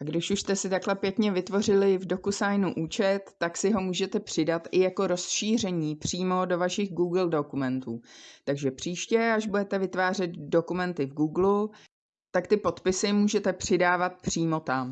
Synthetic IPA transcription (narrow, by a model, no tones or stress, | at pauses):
ʔaɡdɪʃuʃst̪ɛsɪt̪aklɛpjɛkɲɛvɪt̪vo̞rɪlɪvdo̞kusajnuʔuːt͡ʃɛt̪ːaksɪɦo̞muːʒɛt̪ɛpr̝̥ɪdat̪ʔɪjako̞ɾo̞sʃiːr̝ɛɲiːpr̝̥iːmo̞do̞vaʃɪɣɡuːɡl̩do̞kumɛnt̪uːt̪aɡʒɛpr̝̥iːʃcɛaʒbudɛt̪ɛvɪt̪vaːr̝ɛt̪do̞kumɛnt̪ɪvɡuːɡlu | t̪akt̪ɪpo̞t̪pɪsɪmuːʒɛt̪ɛpr̥ɪdaːvat̪̚pr̥iːmo̞t̪am